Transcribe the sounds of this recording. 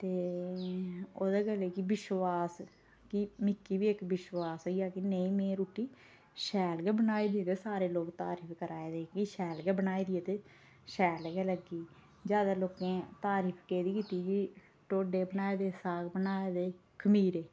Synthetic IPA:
t̪eː | oːd̪eːɡəleːkibɪʃwaːs | kimɪkːiːbiːɪkbɪʃwaːsɦoːijaːkɪnəĩːmẽːɾuːʈːiː | ʃɛːlɡɛːbənaːiːd̪ieːt̪eːsaːɾeːloːkt̪a̰ːɾiːpʰkəɾaːed̪ẽːkɪʃɛːlɡɛːbənaːiːd̪ieːt̪eː | ʃɛːlːɡɛːləɡiː | d͡ʒjaːd̪aːloːkẽːt̪aːɾiːpʰkeːd̪iːkit̪iːki | ʈoːɖeːbənaːeːd̪eːsaːɡbənaːeːd̪eː | kʰəmiːɾeː

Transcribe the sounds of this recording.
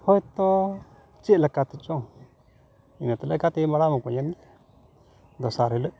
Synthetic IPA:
hoet̪o | t͡ʃilakat̪ut͡ʃõ | inãt̪alekat̪imaɾamũkʷaɲãnĩ | nd̪osaɾilɨ

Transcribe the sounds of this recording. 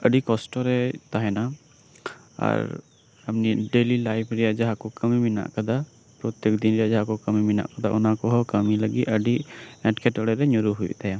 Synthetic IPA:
əɖikɔsʈɔɾɛt̪aɦɛna | a̰ɾ | əmniɖelilajpʰɾɛjaʔd͡ʒaɦakɔkəmimina̰ʔkad̪a | pɾɔt̪jekd̪inɾɛjaʔd͡ʒaɦakɔkəmimina̰ʔkɐd̪aʔɔnakɔɦɔkəmiləɡit̪əɖiɛʈkʰɛʈɔɽɛɾɛɲuɾuɦujɛ̰ʔt̪aja

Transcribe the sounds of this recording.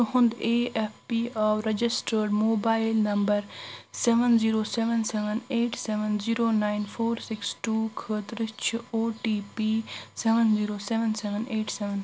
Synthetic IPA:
ʊɦʊ̃nd̪eːefpiːɔːʋɾed͡ʒɪsʈəɾɖmoːbaːɪlnɐmbəɾsɛʋənziːɾoːsɛʋənsɛʋəneːʈʰsɛʋənziːɾoːnaːɪnfʰoːɾsɪksʈuːkʰət̪ɾit͡ʃʰoːʈiːpisɛʋənziːɾoːsɛʋənsɛʋəneːʈʰsɛʋən

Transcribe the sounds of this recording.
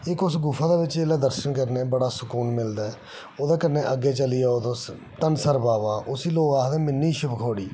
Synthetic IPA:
ɪkʊsɡuːfʰãːd̪aːʋɪt͡ʃelaːd̪əɾʃənkəɾneːbəɽaːsʊkuːnmɪld̪aːɛː | oːd̪aːkəɾnːeːʔəɡeːt͡ʃəlijaːoːd̪os | t̪ənsəɾbaːʋaːʔʊsiːloːɡaːd̪eːmɪnːiːʃʊbkʰoːɽiː

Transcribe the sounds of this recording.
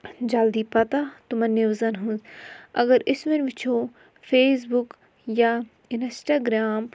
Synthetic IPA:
d͡ʒaːld̪ipɐt̪at̪ʊmɐnːiʋzɐnɦũɐɡəɾɪsmɪnʋɪt͡ʃʰo | fʰeːs̬bʊk | ja | ɪnsʈaːɡɾaːm

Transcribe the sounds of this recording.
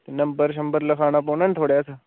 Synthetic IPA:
t̪enɐmbəɾʃəmbəɾləkʰaːɽ̃apoːnəɳʈt̪ʰoːɽjasa

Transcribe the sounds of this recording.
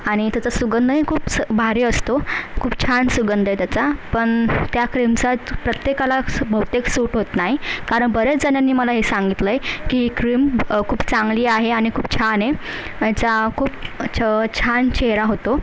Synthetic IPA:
aɽ̃it̪jat͡səsuɡənd̪əɦikʰuːpsbʱaɾeəst̪okʰuːpt͡ɕʰansuɡənd̪ʱəejt̪jat͡sapəɳt̪jakɾimt͡sapɾət̪jekalabʱəwt̪jeksuːʈɦot̪naɦjkaɾəɳbəɾet͡sd͡zəɳjanːiːməlaɦesãŋɡit̪ləjkiɦkɾiːmkʰuːpt͡saŋɡliːaɦeaɽ̃ikʰuːp̚t͡ɕʰaned͡zakʰuːpt͡ɕt͡ɕʰant͡ɕeɦɾaɦot̪o

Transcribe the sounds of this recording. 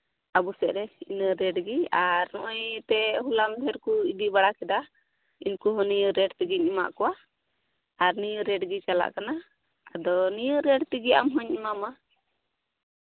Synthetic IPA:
abusɛʔɾɛinəɾɛɖɡiaɾnɔʔɔjt̪ɛɦulamd̪ʱɛɾkuid̪ibaɽakɛd̪a | inkuɦɔnijəɾɛɖt̪iɡiɲima̰ʔkɔwaː | ɾnijəɾɛɖɡit͡ʃala̰ʔkanaː | d̪ɔnijəɾɛɖt̪iɡia̰mɦɔɲimama

